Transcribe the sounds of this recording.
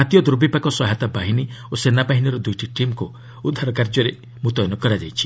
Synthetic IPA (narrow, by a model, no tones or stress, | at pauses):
ɦat̪ijɔd̪ɾobipakɔsɔɦat̪abaɦiniosenabaɦiniɾɔd̪ujʈiʈimku | ud̪ʱːaɾɔkaɾd͡ʒɔɾe | mũt̪ɔjnɔkɔɾad͡ʒajt͡ʃʰi̥